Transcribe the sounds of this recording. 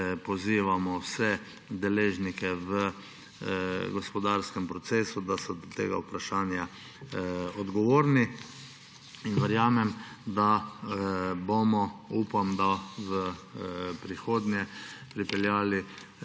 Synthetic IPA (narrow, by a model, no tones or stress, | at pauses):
pɔziːʋamɔwsɛ | d̪ɛleːʒnikɛʋə | ɡɔspɔd̪aɾskɛmpɾɔt̪seːsud̪asɔd̪ɔt̪ḛːɡa̰upɾaʃaːnja | ɔd̪ɡɔʋoːɾni | inʋɛɾjaːmɛm | d̪a | bomɔupamd̪aʋə | pɾixoːd̪njɛpɾipɛljaːli